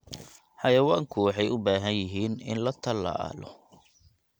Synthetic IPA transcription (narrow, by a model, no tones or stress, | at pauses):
ħɑjɐwaːŋkʰʊwɑħɑjʊbaːɦɐnjɪɦiːnɪ̰nlɐt̪ʰɐla̰ːlɔ̰